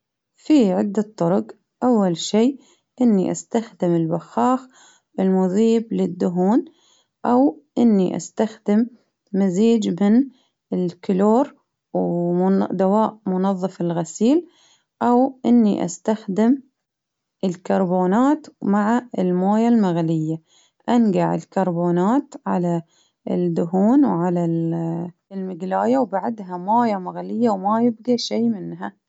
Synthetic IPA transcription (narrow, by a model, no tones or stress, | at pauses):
fiʕɪd̪ːat̪ˤːʊɾʊɡ | ʔawːalʃiː | ʔɪnːiʔa̰st̪axd̪ɪmɪlbaxːɑːx | ʔɪlmʊðiːblɪd̪ːʊɦuːn | ʔawʔɪnːiʔa̰st̪axd̪ɪmː | aziːd͡ʒmɪn | ɪlkʊloːɾ | w | d̪awaːʔmʊnɑðˤːɨfɪlɣasiːl | ʔawʔɪnːḭʔa̰st̪axd̪ɪm | ʔɪlkɑɾˤboːnaːt̪maʕaɪlmoːjalmaɣlɪjːa | ʔanɡaʕɪ̰lkɑɾˤboːnaːt̪ʕa̰la | d̪ʊɦuːnwʕala | lmɪɡlaːjawbaʕd̪ɦamoːjamaɣlɪjːawmajɪb̚ɡaʃiːmɪnɦa